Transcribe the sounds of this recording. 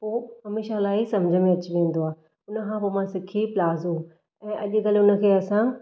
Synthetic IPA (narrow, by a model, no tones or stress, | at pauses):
poːɦɐmeːʃalaːɪsɐmd͡ʑʱəmẽɐt͡ɕɪʋẽːn̆d̪oaː | ʊnə̆kʰãpomãsɪkʰiplaːzu | ɛ̃ːʔɐʄɡɐlʊnə̆kʰeːɐsã